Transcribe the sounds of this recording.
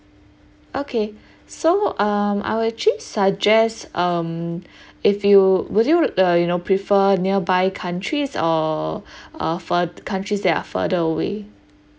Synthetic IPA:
ʔokʰe | soʔʌma̰jwʊdɛt͡ʃəlisad͡ʒɛstʌm | ɪfjuwʊdjuəjunopʰɹifəniəbajkʰãntʰɹisɔ | ʔʌ̰fədkʰãntɹisdɛta̰fə̰dəəwḛ

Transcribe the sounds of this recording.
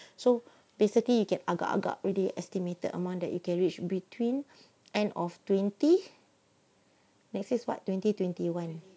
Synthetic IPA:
so | besiklijukɛ̃na̰ɡa̰ʔa̰ɡa̰ʔɹiliʔɛstimetə̰də̰mãndɛ̰ʔ̚jukɛ̃nɹit͡ʃbitʰwĩn | ʔɛ̃ndɔftwɛ̃nti | nɛksiswa̰tːwɛ̃ntitwɛ̃ntiwãn

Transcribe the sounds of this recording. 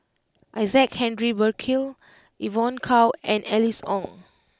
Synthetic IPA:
ʔajzɛk̚hɛ̃ndɹibəkʰil | ʔivɔ̃nkʰawɛ̃nɛlisɔ̰̃ŋ

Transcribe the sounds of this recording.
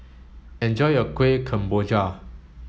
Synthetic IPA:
ɛ̃nd͡ʒɔjəkwekʰə̃mbod͡ʒa

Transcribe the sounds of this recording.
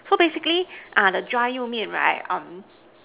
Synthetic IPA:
sobesɪkliʔaðədɹaɪjumiɨ̃nɹa̰ɪʌ̃m

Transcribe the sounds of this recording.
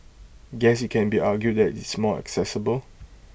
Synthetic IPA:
ɡɛsɪt̚kʰɛ̃nbiaɡjud̚dɛtɪsmɔɛ̰ksɛsəbəl

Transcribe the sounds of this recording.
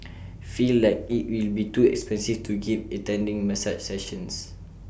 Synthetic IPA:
filːaɪk̚it̚wilbituɛkspɛ̃nsiftʰuɡivətɛ̃ndĩŋmɛsat͡ʃsɛʃə̃ns

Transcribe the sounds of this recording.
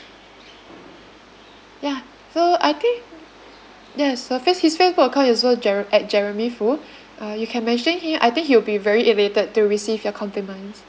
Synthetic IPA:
ja | soa̰jt̪ĩŋk̚ | jɛsːofishisfesbukəkʰãʊ̃nɪswod͡ʒɛʔɛt̚d͡ʒɛɹəmifu | ʔajukʰɛ̃nmɛ̃nʃə̃nhimʔa̰jt̪ɪ̃ŋkhiwbivɛɹiʔɛletəd̚tːuɹisivjɔkʰɔ̃mpɹimãɪns

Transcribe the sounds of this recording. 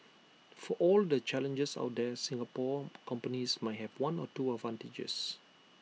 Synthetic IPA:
fɔʔɔldət͡ʃɛlə̃nd͡ʒəsa̰ʊt̚dɛsĩŋɡapɔkʰɔ̃mpənismajhɛvwãnɔtuədvãntid͡ʒə̰s

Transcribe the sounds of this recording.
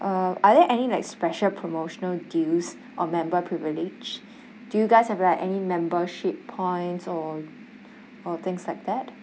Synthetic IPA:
ʔʌʔaðɛʔɛnilaɪkspɛʃəlpʰɹomoʃənəldils | ʔɔmɛ̃mbəpʰɹivilid͡ʒ | d̥ujuɡaɪshɛvlaɪkɛnimɛ̃mbəʃɪpʰːɔ̃ɪ̃ntsɔ | ɔθɪ̃ŋslaɪk̚d̪ɛt

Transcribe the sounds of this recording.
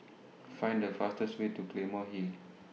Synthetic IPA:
fãj̃ndəfastəstwetuklẽmɔɦi

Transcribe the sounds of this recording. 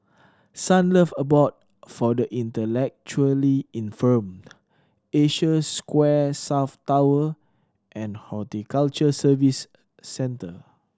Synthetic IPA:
sãnləfəbɔt̚ | fɔdəʔĩntəlɛk̚t͡ʃuəliĩnfəm | eʃəskwɛsaʊftawə | ʔɛ̃nhɔtikalt͡ʃəsəvisː | ɛ̃ntə

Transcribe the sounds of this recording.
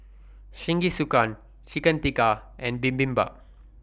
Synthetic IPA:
ʃĩŋɡisukãn | t͡ʃikə̃nt̪ikaʔɛ̃nbĩmbĩmba̰

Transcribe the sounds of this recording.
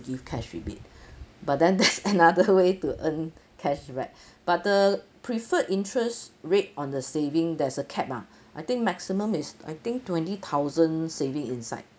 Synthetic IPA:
ɡivkʰɛʃɹḭbḭt̚bat̚dɛ̃ndɛtsənadəwetuʔə̃nkʰɛʃɹɛt̚ | b̥at̚dəpʰɹifəʔĩntɹəsɹet̚ɔ̃ndəsevɪ̃ŋdɛsəkʰɛp̚a | ʔajt̪ɪ̃ŋk̚mɛksimə̃misa̰jt̪ɪ̃ŋk̚twɛ̃ntit̪ʰaʊzə̃nsevĩŋĩnsa̰ɪt̚

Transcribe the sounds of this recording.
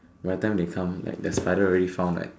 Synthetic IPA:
watɛ̃mdekʰãmla̰ɪk̚dəspaɪdəɔɹɛɾifãʊ̃nla̰ɪk̚

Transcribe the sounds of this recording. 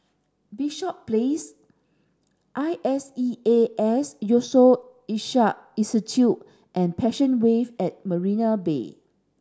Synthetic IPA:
biʃɔp̚ples | ʔajʔɛsieɛsjoso | iʃaʔ̚isitʰu | ʔɛ̃npʰɛʃə̃nwevɛt̚məɹĩnabḛ

